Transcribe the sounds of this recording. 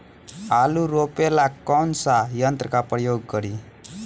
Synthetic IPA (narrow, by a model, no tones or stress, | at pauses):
aluɾopelakːɔnsajʌnt̪ɾəkapɾəjoɡːəɾi